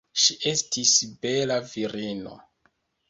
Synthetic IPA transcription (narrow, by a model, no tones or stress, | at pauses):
ʃiʔe̞stisbe̞laviɾino̰